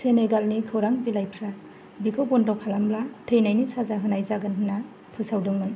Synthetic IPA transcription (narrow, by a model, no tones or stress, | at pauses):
seneɡalnikʰɯwɾaŋbilajpʰɾa | bikʰobɔndawkʰalamblatʰejnajnisazaɦɯnajzaɡɯnɦɯna | pʰɯsawdɯŋmɯn